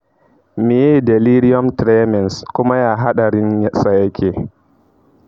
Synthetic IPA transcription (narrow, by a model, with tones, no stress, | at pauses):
mi˨jɛ˦˨dɛ˨li˦ɾi˦ɔ˦mtɾɛ˦mɛ˨nskʊ˦ma˦jaː˦ɦa˦ɗa˨ɾɪ˦nsa˨ja˦kʲʰeː˨